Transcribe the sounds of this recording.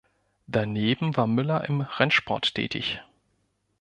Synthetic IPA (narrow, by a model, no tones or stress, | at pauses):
d̥aneːbm̩vaːɐmʏlɐʔɪmʁɛnʃpʰɔɐtʰːɛ̰ːtʰɪ̰ç